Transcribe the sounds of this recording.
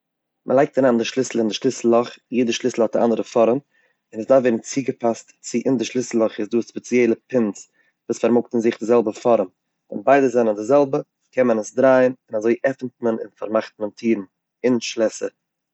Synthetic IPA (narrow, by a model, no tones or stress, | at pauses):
mʔəlˠaɪk̚taɾaːndɪʃlˠɪsl̩ˠɪndɪʃlˠɪsl̩ˠɔχjiːdəʃlˠɪsl̩ˠhɔt̚dɪʔa̰ndəɾəfɔɾəm | ɪnəsdafvɛɪdn̩t͡siːɡəpʰastt͡sɪʔɪndɪʃlˠɪsl̩ˠɔχɪsduːspɛt͡sjɛlˠəpɪnt͡s | vuːsfaɾmʊk̚tn̩zɪχdɪzɛlˠbəfɔɾəm | ɪ̰nbaɪdəzɛnəndɪzɛlˠbə | kɛmənəsdɾaɪənɪnazoɪʔɛfn̩tmənɪ̰nfa̰ɾmaχtməntʰiːɾn̩ | ɪnʃlˠɛsə̰